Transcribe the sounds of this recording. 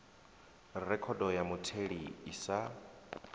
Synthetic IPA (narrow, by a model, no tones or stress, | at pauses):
rɛkʰɔdɔjamutʰeɺiisa